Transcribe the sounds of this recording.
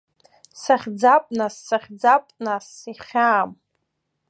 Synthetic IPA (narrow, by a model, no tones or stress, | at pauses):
saχʲd͡zapʼnasːaχʲd͡zapʼnasiχʲaːm